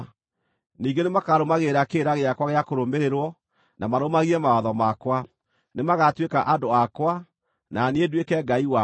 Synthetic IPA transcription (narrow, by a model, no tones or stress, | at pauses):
niːɡenemakaɾomaɣeːɾakeɾaɣeakwaɣeakoɾomeɾeɾwɔ | namaɾomaɣiɛmaaðɔmakwa | nemaɣatwekaʔandoakwa | naneedwekɛɡaiwa